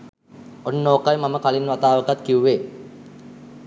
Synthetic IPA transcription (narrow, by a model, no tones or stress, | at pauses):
onːoːkajmaməkalinʋat̪aːʋəkat̪kiuʋe